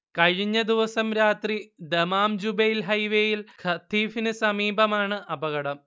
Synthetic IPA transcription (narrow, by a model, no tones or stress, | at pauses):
kɐɻiɲːɐd̪iʋɐsɐmɾaːt̪rid̪emaːmd͡ʑubɐjilɦɐjʋeːjilkʰɐt̪ʰiːfinɨsɐmiːbɐmaːɳɨʔɐbɐɣɐɽɐm